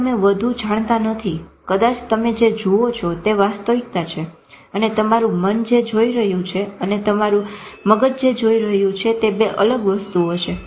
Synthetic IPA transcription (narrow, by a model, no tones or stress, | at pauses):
əmeʋəd̪ʱud͡ʒãɽ̃t̪ãnət̪ʰikəd̪at͡ʃt̪əmed͡ʒed͡ʒuot͡ʃʰɔt̪eʋast̪əʋik̚t̪at͡ʃʰe | ənet̪əmaɾũmənd͡ʒed͡ʒoiɾəɦjũt͡ʃʰeənet̪əmaɾũməɡət̪d͡ʒed͡ʒoiɾəɦjũt͡ʃʰet̪ebeʔələɡʋəst̪uɦot͡ʃʰe